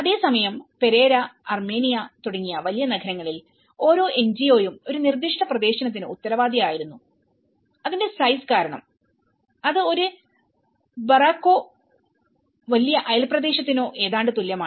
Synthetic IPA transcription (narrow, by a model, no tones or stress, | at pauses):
ɐðe̞ːsɐmɐjɐmpe̞ɾe̞ːɾɐɐrme̞ːnijɐt̪uɽɐŋːijɐʋɐlijɐnɐɡʰʱɐɾɐŋːɐɭil | o̞ːɾo̞ːʔe̞ɲd͡ʑijo̞ːjumo̞ɾunird̪iʂʈɐprɐd̪e̞ːɕɐnɐt̪̬ːinout̪ːɐɾɐʋaːd̪ijaːjiɾunːu | ɐðinde̞sɐjskaːɾɐɳɐ̰m | ɐðɨo̞ɾu | bɐraːkːo̞ː | ʋɐlijɐʔɐjɐlprɐd̪e̞ːɕɐt̪̬ːino̞ːʔe̞ːðaːɳɖɨt̪ulːjɐmaː